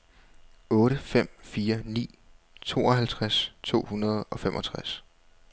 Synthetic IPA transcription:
ɔ̽ːɾəfem̰fiːɐnḭː | t͡sʰo̝̰ːɒ̽ɦælt͡sʰʁast͡sʰo̝̰ːhunɐð̞ˠɒ̽femʔɒ̽t͡sʰʁas

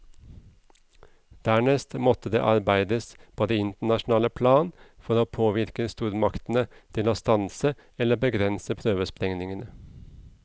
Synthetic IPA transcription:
d̪̥æːɳɛst̪mɔt̪əd̪ḛːʔɑɾbæɪd̪əspʰoːd̪eːɪnt̪əɳɑʃn̩ɑːləpʰlɑːnfɔɾoːpʰoːʋɪɾkəst̪uːɾmɑkt̪n̩ət̪ʰɪloːst̪ɑnsə | ɛləbəɡɾɛnsəpʰɾøːʋəspɾɛŋnɪŋənə

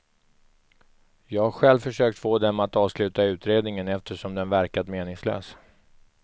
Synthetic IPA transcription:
jɑːɡaɡɧɛlvfœʂøːk̚t̪foːd̪ɛmat̪ɑːvslʉ̟ːt̪aʉ̟ːt̪ɾeːd̪nɪŋənɛft̪əʂɔmd̪ɛnvæɾkad̪meːnɪŋslø̰ːs

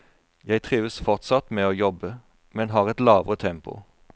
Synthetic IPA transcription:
jæɪt̪ʰʁiːʋəsfɔʁt̪sɑt̪meːoːjɔbə | mɛnɦɑːʁɛt̪lɑːʋʁət̪ʰɛmpʊ̰

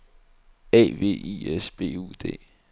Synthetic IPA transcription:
ɛ̰ːʋe̝̰ːḭesb̥e̝̰ːṵd̥e̝̰ː

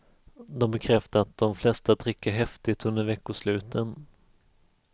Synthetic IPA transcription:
d̪ɔmbɛkʰɾɛft̪əat̪̚d̪ɔmflɛst̪ad̪ɾɪkːaɦɛft̪ɪt̪ːɵnd̪əɾvɛkːʊʂlʉ̟ːt̪ʰən

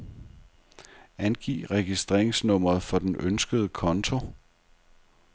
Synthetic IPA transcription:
ænɡ̥ḭːʁɛɡ̥isd̥ʁḛɐ̰eŋsnɔ̽m̰ʁɐðˠfɒ̽d̥enønsɡ̥əð̞̩ˠəkʰɒ̽nt͡sʰo̝

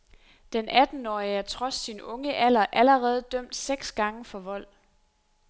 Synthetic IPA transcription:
d̥enʔæd̥n̩ɒːiəæɐt͡sʰʁɒ̽sːinɔ̽ŋəʔælɐʔæləʁɛːð̞̩ˠd̥øm̰d̥seɡ̥sɡ̥ɑ̈ŋəfɒ̽ʋɒ̽l̰

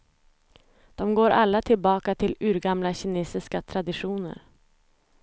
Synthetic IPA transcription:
d̪̥ɔmɡoːɾʔalːat̪ʰɪlbɑːkat̪ʰɪlʉːɾɡamlaɕɛneːsɪskat̪ʰɾad̪ɪɧuːnə̰ɾ

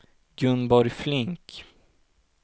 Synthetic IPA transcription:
ɡɾɵnbɔɾjflɪŋk

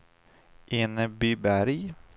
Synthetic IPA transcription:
ʔeːnəbyːbæɾj

